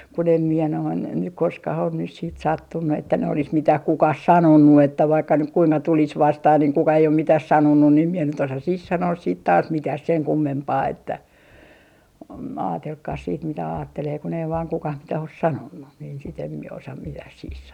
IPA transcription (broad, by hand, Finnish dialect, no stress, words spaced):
kun em miɛ noin nyk koskɑh on nys siːt sɑtːunːu etːæ ne olis mitæh kukɑh sɑnonːu etːæ ʋɑikːɑ nyk kuiŋkɑ tulis ʋɑstɑh niŋ kukɑ ei om mitɑs sɑnonːun ni em mie nyt osɑ sih sɑnoːs siːt tɑːs mitæh seŋ kumːempɑː etːæ om ɑːtelkːɑːs siːt mitæ ɑːtːeleː kun ei ʋɑːn kukɑh mitæ os sɑnonːu niːn sit em mie osɑ mitæh sih